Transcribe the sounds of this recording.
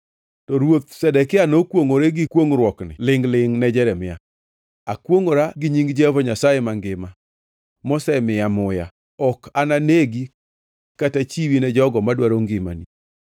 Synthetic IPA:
tɔɾwot̪̚sɛdɛkɪanokwoŋoɾeɡɪkwoŋɾwɔknɪ̰lɪŋlɪŋnɛd͡ʒɛɾɛmɪja̰ | akwoŋoɾaɡɪɲiŋɡd͡ʒɛvɔɲasajɛmaŋɡɪma | mɔsɛmɪamʊja̰ | ɔkʰananeɡi | katat͡ʃiwinɛd͡ʒɔɡɔmadwaɾoŋɡɪma̰ni

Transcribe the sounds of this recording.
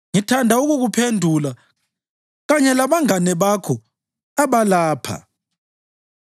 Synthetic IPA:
ŋitʰandʱauɣuɣupʰendʱula | ɣaɲɛlaβaŋanɛβakʰɔ | aβalaːpʰa̰

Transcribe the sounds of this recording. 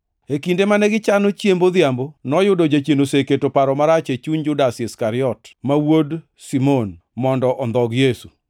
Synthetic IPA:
ekindemanɛɡɪt͡ʃanot͡ʃjembod̪jambonɔjʊdod͡ʒat͡ʃenoseketopaɾɔmaɾat͡ʃet͡ʃuɲd͡ʒʊdasiskaɾɪɔtmawod | simon | mɔndɔʔɔnd̪ɔɡjesu

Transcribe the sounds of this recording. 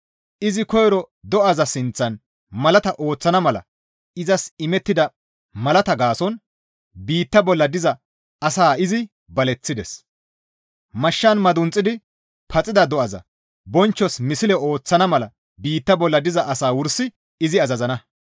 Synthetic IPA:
ʔɪzɪkɔjɾɔ | d̪ɔʔɐzɐsɪnt͡sːɐn | mɐlɐt̪ɐʔo̞ːt͡sːɐnɐmɐlɐ̰ | ɪzɐsɪmɛt̪ːɪd̪ɐ | mɐlɐt̪ɐɡaːsɔn | biːt̪ːɐbɔlːɐd̪ɪzɐ | ɐsaːɪzɪ | bɐlɛt͡sːɪd̪ɛs | mɐʃːɐnmɐd̪ʊnt͡sʼːɪd̪ɪ | pʰɐt͡sʼɪd̪ɐd̪ɔɐzɐ̰ | bɔnt͡ʃːɔsmɪsɪlɛo̞ːt͡sːɐnɐmɐlɐ̰ | biːt̪ːɐbɔlːɐd̪ɪzɐʔɐsaːwʊɾsɪ | ɪzɪɐzɐzɐnɐ

